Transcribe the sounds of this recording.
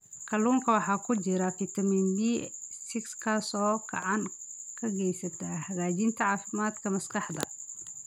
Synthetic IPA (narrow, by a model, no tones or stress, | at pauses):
kʰɐluːŋkʰɐwɑħɑːkʰʊd͡ʒɪɾɐfit̪ʰɐmind̪isɪkskʰɐsɔːkʰɐ̰ʕɑnkʰɐɡɛjsɐt̪ʰaːhɐɣaːt͡ʃɪnt̪ʰɐʕɑːfɪmaːd̪kʰɐmɐskɑħd̪ɐ̰